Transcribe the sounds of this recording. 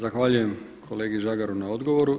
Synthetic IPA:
zaxʋaːʎuje̞m | kʰo̞le̞ːɡiʒaɡaɾunao̞d̪ɡo̞ʋo̞ɾu

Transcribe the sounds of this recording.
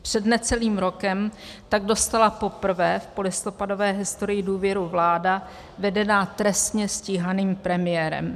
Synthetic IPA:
pr̝̥ɛdnɛt͡sɛliːmɾo̞kɛmt̪aɡdo̞st̪alapo̞pr̩vɛːfpo̞lɪst̪o̞pado̞vɛːɦɪst̪o̞ɾɪjɪduːvjɛɾuvlaːda | vɛdɛnaːt̪ɾɛst̪ɲɛsciɦaniːmpɾɛmɪjɛːɾɛ̰m

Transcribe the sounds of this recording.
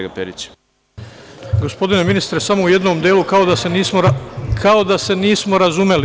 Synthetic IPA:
ɡapeɾit͡ɕ | ɡo̞spo̞d̪ine̞minist̪ɾesamo̞uje̞d̪no̞md̪eːlukao̞d̪asenismokʰao̞d̪ase̞niːsmo̞ɾazume̞li

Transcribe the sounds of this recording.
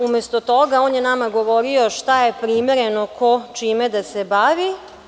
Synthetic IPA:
ume̞st̪ot̪oɡaoːnjenamaɡo̞ʋoɾio̞ʃt̪aje̞pɾimeɾe̞nokot͡ʃiːmed̪asebaːʋi

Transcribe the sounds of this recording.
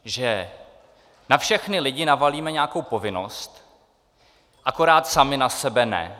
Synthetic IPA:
ʒɛ | nafʃɛxnɪlɪɟɪnavaliːmɛɲɛakowpo̞vɪno̞̰st̪ | ʔako̞ɾaːt̪samɪnasɛbɛnɛ̰

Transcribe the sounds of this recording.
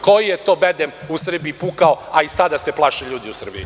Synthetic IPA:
kojijet̪o̞bed̪emusr̩biːpukaoaisad̪aseplˠaːʃeʎuːd̪iusr̩bḭi

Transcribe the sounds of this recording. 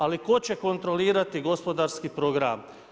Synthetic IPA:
aliko̞t͡ɕe̞ko̞nt̪ɾo̞liːɾat̪iɡo̞spo̞d̪aɾskipɾo̞ɡɾa̰m

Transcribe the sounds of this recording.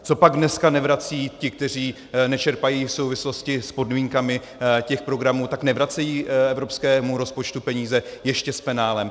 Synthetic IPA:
t͡so̞paɡdnɛskanɛvɾat͡siːcɪk̚t̪ɛr̝iː | nɛt͡ʃɛɾpajiːfso̞wvɪslo̞scɪspo̞dmiːŋkamɪ | cɛxpɾo̞ɡɾamuːt̪aknɛvɾat͡sɛjiːɛvɾo̞pskɛːmuɾo̞spo̞t͡ʃt̪upɛɲiːzɛjɛʃcɛspɛnaːlɛm

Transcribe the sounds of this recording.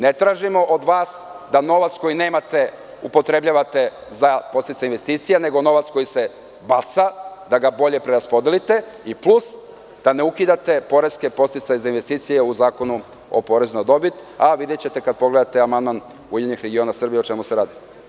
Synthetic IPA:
ne̞t̪ɾaːʒimo̞ʔod̪ʋaːsd̪ano̞ʋat̪sko̞jine̞ːmat̪e̞ | upo̞t̪ɾe̞bʎaʋat̪e̞zapo̞st̪it̪ajinʋe̞st̪iːt̪sijane̞ɡono̞ʋat̪sko̞jise̞ | bat̪sad̪aɡabo̞ʎe̞pɾe̞ɾaspo̞d̪e̞lit̪e̞iplˠus | d̪̥ane̞ukid̪at̪e̞po̞ɾe̞ske̞po̞st̪it̪sajezainʋe̞st̪iːt̪sije̞uzaːko̞nu | o̰po̞ɾe̞zunad̪o̞bit̪aʋid̪jet͡ɕe̞t̪e̞kad̪̚po̞ɡle̞d̪at̪eamand̪man | ujeɲixɾeɡio̞nasr̩bijeot͡ʃe̞museɾaːd̪i

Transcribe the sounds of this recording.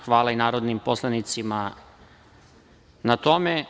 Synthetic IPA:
xʋaːlainaːɾod̪nimposlˠanit̪sima | nat̪o̞me

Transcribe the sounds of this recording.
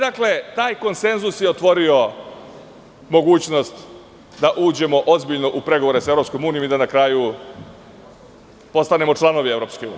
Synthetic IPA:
d̪akle̞t̪aːjko̞nse̞nzusjeot̪ʋo̞ɾio̞ | mo̞ɡuːt͡ɕno̞st̪ | d̪aʔuːd͡ʑe̞mo̞ʔozbiʎno̞ʔupɾe̞ɡoʋoɾe̞saevɾo̞psko̞muːnijo̞mid̪anakɾaju | po̞st̪ane̞mo̞t͡ʂlˠano̞ʋie̞vɾo̞ːpskeuːnḭ

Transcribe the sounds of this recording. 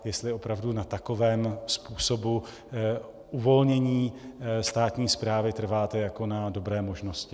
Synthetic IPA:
jɛst̪lɪʔo̞pɾavdunat̪ako̞vɛːmspuːso̞bu | ʔuvo̞lɲɛɲiːst̪aːt̪ɲiːspɾaːvɪt̪r̩vaːt̪ɛjako̞nado̞bɾɛːmo̞ʒno̞scɪ

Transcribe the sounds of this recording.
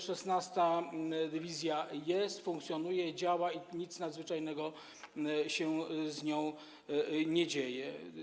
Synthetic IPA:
ʂɛsnast̪ad̪ɘvʲizʲjajɛst̪fuŋk̚t̪sʲjɔnujɛd͡ʑawaiɲit̪snad̪zvɘt͡ʂajnɛɡɔ | ɕɛzɲɔ̃w̃ | ɲɛd͡ʑejɛ

